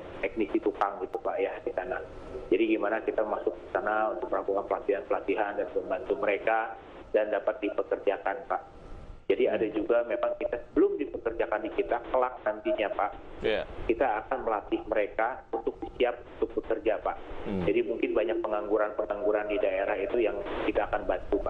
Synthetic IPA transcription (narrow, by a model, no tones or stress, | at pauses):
t̪ɛk̚nisit̪ukaŋɡit̪upaʔjahkisanad͡ʒadiɡimanakit̪amasʊk̚əsənaunt̪ʊk̚məlakukanpəlat̪iɦanpəlat̪iɦandanpəmbant̪uməɾeka | dandapat̪̚dipəkərd͡ʒakanpaʔ | d͡ʒadiadad͡ʒuɡamemaŋkit̪asəbəlʊmdipəkərd͡ʒakandikit̪akəlak̚nant̪iɲapaʔkit̪aːkanməlat̪ɪhməɾekaunt̪ʊk̚disiap̚unt̪ʊk̚bəkərd͡ʒapaʔd͡ʒadimuŋkɪnbaɲak̚pəŋaŋɡuɾanpəŋaŋɡuɾandidaeɾahit̪ujaŋkit̪aːkanbant̪upaʔ